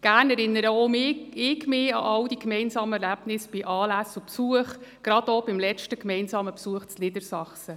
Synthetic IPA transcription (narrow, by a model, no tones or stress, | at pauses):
ɡ̥æːrnɛɾɪnːəɾəomɪɪɡmɪːɑ̰ʔɑwd̥ikmɛɪnsɑːməɛɾlæb̥nɪsb̥iʔɑːlæsʊpsuəχɡ̥ɾɑd̥ob̥ɪmlɛt͡ʃtəkmɛɪnsɑːməpsuəχt͡slɪd̥əɾsɑχsə